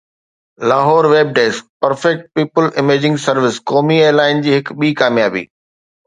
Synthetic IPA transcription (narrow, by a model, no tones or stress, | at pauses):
laːɦɔːɾʋeːb̚ɖeːspɐɾfɛk̚ʈ̚piːpəlɪmeːd͡ʑɪ̃ŋɡsɐɾʋɪskɔːmieːɾlaːɪnd͡ʑiːɦɪkɓiːkaːmijaːbḭː